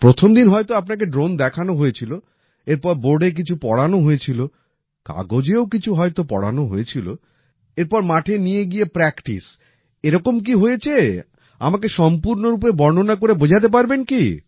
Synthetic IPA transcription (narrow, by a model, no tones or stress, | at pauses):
pɾot̪ʰomd̪inɦɔet̪oapnak̬eɖɾond̪ɛkʰanoɦojet͡ɕʰilo | eɾpɔɾboɾɖek̬it͡ɕʰupɔɽanoɦojet͡ɕʰilo | ka̰ɡod͡ʑeokit͡ɕʰuɦɔjt̪opɔ̰ɽa̰noɦoet͡ɕʰilo̰ | eɾpɔɾmaʈʰenijeɡiepɾɛkʈḭs | eɾɔkomk̬iɦojet͡ɕʰe | a̰makeʃɔmpuɾnoɾup̬ebɔɾnonakoɾebod͡ʑʱat̪̬ep̬aɾbenki